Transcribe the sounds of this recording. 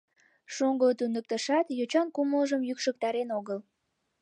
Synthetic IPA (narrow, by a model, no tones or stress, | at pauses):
ʃuŋɡot̪unək̚t̪əʃɑt̪jot͡ɕɑnkuməlʒəmjykʃək̚t̪ɑɾenoɣəl